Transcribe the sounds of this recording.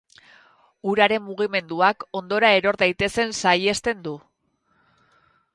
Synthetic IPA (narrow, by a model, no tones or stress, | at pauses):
uɾaɾe̞mːuɣ̞ime̞nd̪uako̞nd̪o̞ɾae̞ɾo̞ɾðajt̪e̞se̞nsaje̞st̪e̞nd̪u